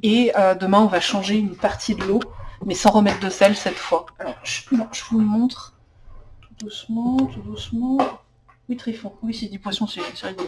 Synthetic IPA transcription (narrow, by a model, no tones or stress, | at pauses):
eød̪əmɛ̃ɔ̃vaʃɑ̃ʒeynpaʁt̪ʰid̪əlomɛsɑ̃ʁəmɛt̪χd̪əsɛlsɛt̪fwaalɔʁʒnɔ̃ʒ̥əvumɔ̃t̪χ | t̪ud̪usmɑ̃t̪ud̪usmɑ̃ | wit̪χifɔ̃wised̪ipwasjɔ̃sesiʁid̪